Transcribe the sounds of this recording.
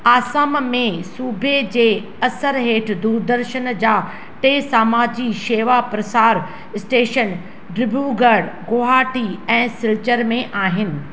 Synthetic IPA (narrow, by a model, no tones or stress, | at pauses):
aːsaːmmẽsuːbʱed͡ʑeː | ɐsəɾɦeːʈʰd̪uːɾd̪əɾʃənd͡ʑaː | ʈeːsaːmaːd͡ʑiʃeːʋapɾɐsaːɾ | ɪsʈeːʃən | ɖɾɪbjuːɡəɽɡoːɦaːʈiɛ̃ːsɪlt͡ɕəɾmẽʔaːɦɪnɪ̆